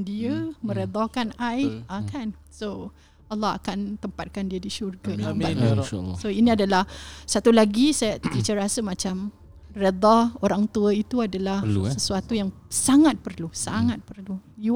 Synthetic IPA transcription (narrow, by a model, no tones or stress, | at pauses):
diəmə̃ɾed̪ɔkanajakan | so | alːɑɦa̰kant̪əmpat̪̚kandiədiʃurɡədmbaasoinĩadalahsat̪ulaɡisajadit͡ʃəɾasəmãt͡ʃam | red̪aoɾaŋt̪uəit̪uadalahsəsuat̪ujaŋ | saŋat̪̚pərlusaŋat̪̚pərluju